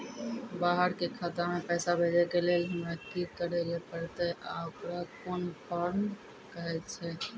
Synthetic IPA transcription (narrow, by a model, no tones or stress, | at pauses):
baɦəɾkekʰat̪amepɛːsabʱed͡ʒekelelɦəmɾakikəɾelepəɾt̪ɛʔa̰okɾakonpʰəɾn | kəɦɛt̪t͡ʃʰɛ